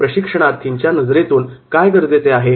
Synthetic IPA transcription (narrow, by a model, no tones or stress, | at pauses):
pɾəɕikʂəɳ̃aɾt̪ʰːiɲt͡ɕjanəd͡zɾet̪uːnkajɡəɾd͡zet͡seaɦe